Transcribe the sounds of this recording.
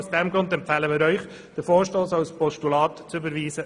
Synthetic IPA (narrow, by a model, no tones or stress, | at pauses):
sd̥ɛmɡɾʊndɛmpfæːləmɪːɾœʏχ | d̥əfoːɾʃtoːsɑwspʰɔʃtulɑːt̪ːt͡sybəɾʋiːsə